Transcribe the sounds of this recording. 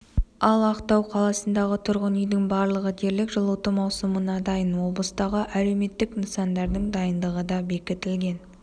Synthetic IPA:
ɑlˠɑqt̪ɑwqʰɑlˠɑsənd̪ɑʁət̪ʰʊɾʁənʏjd̪ɪŋbɑɾlˠəʁəd̪ʰeɾlɪkʒəlˠut̪əmɑwsəmənɑd̪ɑjənwo̞blˠəst̪ɑʁəʔæle̞wme̞t̪ːɪkminsɑnd̪ɑɾd̪əŋd̪ɑjənd̪əʁəd̪ɑbe̞kʲɪt̪ɪlɡʲe̞n

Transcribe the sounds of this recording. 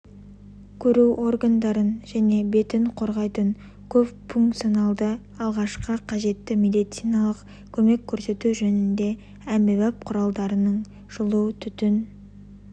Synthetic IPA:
kʲʰɵɾuwʔo̞rɡand̪ɑɾənʒæne̞be̞t̪ɪɴqʰo̞ɾʁɑjt̪əɴ | kʲʰɵpfuŋkt̪sijonɑlˠd̪ə | ɑlˠʁɑʃqəqʰɑʒe̞t̪ːɪme̞d̪ijt̪sijnɑlˠəq | kʲʰɵme̞kʲʰːɵɾse̞t̪uʒɵnɪnd̪e̞ | æmbɪβɑp̚qʰʊɾɑlˠd̪ɑɾənəɴ | ʒ̥ʊlˠuwt̪ʰʏt̪ɪn

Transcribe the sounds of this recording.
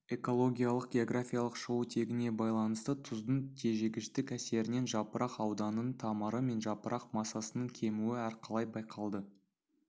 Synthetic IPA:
e̞ko̞lˠo̞ɡʲijɑlˠəq̚ɡʲe̞o̞ɡrafʲijalˠəqʃəwət̪ʰe̞ɡʲɪne̞bɑjlˠɑnəst̪ət̪ʰʊzd̪əɴt̪ʰe̞ʒeɡʲɪʃt̪ɪkæse̞ɾɪne̞nʒɑpəɾʔɑqɑwd̪ɑnənt̪ʰɑməɾəme̞nʒɑpəɾɑqmɑsɑsənəɴkʲʰe̞muɪæɾqʰɑlˠɑjbɑjqʰɑlˠd̪ə

